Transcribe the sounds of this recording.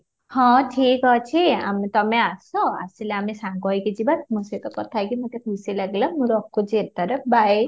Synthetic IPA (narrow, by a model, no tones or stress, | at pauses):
hɔ̃ʈʰikɔt͡ʃʰia̰met̪ɔmeasɔa̰sileamesãŋɡɔjked͡ʒibat̪muset̪ɔkɔt̪ʰajkimut̪ekʰusilaɡelamuɾɔkkod͡ʒeɾt̪əɾəp̚ʰbaj